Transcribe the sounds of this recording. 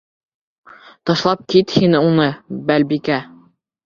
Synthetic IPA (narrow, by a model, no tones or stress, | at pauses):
t̪ɒʃlˠɑp̚kit̪hinɘunɤbælbikæ